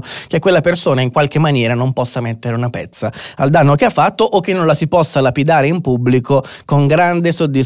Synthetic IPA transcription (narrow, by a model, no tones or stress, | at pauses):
k̟ekːwelːapersoːnaiŋkwalkemːanjɛːɾanompɔsːamet̪ːeɾeunapɛ̰t̪sːaald̪anːokeafːat̪ːoʔːk̟ːenːõnlasipɔsːalapid̪aːɾeimpubːlikokoŋɡɾand̪esod̪ːis